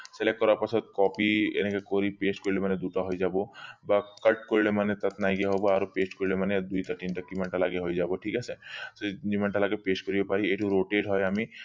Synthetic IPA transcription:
selek̚ʈkːɔɾaɾpat͡ʃʰɔt̪̚kɔpiḛnekekɔɾipesʈkɔɾilemaned̪uʈaɦɔjd͡ʒabobakəʈkɔɾilemanet̪at̪najɡeaɦɔbɔaɾopesʈkɔɾilemaned̪ujt̪ʰəɾʈinʈakimaɳʈalaɡeɦɔjd͡ʒabɔʈʰikasʰesed͡ʒimaɳʈalaɡepesʈkɔɾibapaɾieʈuɾoʈeɖɦɔjami

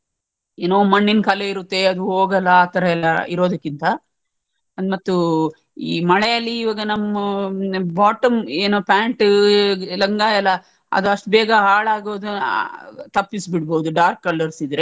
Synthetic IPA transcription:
eːnoːmɐɳːinkɐleiɾut̪ːe̞ɐd̪uɦoːɡɐlːɐaːt̪ɐɾɐɛlːɐḭɾo̞ːd̪ɐkːint̪ɐ | ɐd̪mɐt̪ːu | ḭːmɐɭɛjɐlːiːʋaːɡɐnɐmːɐbaːʈɐmeːnoːpaːɳʈ | lɐŋɡaːjɐlːɐ | ɐ̰d̪uɐʂʈ̚bɛːɡɐɦaːɭaːɡoːd̪u | t̪ɐpːisbiɽboːd̪uɖaːɾkːɐlːɐɾsid̪ɾe

